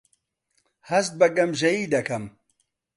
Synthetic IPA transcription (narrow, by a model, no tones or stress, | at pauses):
hɐst̪̚bɐɡɐmʒɐjiːd̪ɐkɐm